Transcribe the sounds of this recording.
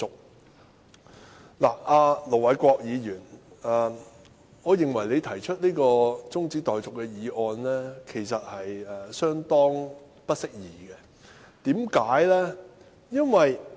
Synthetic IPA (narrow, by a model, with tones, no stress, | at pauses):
ʊ˨k̚ | la̰ː˨˩aː˧lo˨˩wɐ˨˥jkʷɔː˧k̚jiː˨˧jyː˨˩nɛː˨˩ | ŋɔː˨˧jɪ˨ŋwɐ˨˩jle˨˧jt̪ʰɐ˨˩jt͡ʃʰɵ˥t̚liː˥kɔː˧t͡sʊ˥ŋt͡siː˨˥t̪ɔː˨jt͡sʊ˨kːɛː˧jiː˨˧ʔɔː˧nlɛː˥kʰe˨˩jsɐ˨t̚hɐ˨jɛ˨sœː˥ŋt̪ɔː˥ŋ | pɐ˥t̚sɪ˥k̚jiː˨˩ɡɛ˧ | t̪iː˨˥mkaː˨˥jlɛː˥ | jɐ˥nwɐ˨j